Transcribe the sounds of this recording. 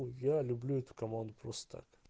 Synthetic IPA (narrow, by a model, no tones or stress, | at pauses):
jalʲʊblʲuɛt̪ʊ̥kɐmand̪ʊpɾost̪ə̥t̪ʰa̰k